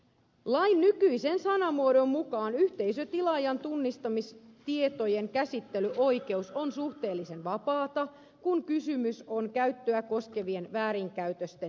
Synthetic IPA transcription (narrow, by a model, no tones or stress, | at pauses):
lɑjnːykyise̞nsɑnɑmuoɾo̞mmukɑːnyht̪e̞isøt̪ilɑjɑnt̪unːist̪ɑmist̪iet̪ojeŋkæsit̪ːelyʔo̞jke̞usonsuht̪e̞ːlːise̞nʋɑpɑːt̪ɑ | kuŋkysymyso̞nkæyt̪ːøæko̞ske̞ʋienʋæːɾiŋkæyt̪øst̪e